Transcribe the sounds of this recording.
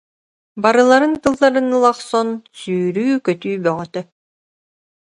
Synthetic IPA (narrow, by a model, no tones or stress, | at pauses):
baɾɯlˠaɾɯnk̪ɯlˠːaɾɯnɯlˠaχsɔnsyːɾyːkœt̪yːbœŋœt̪œ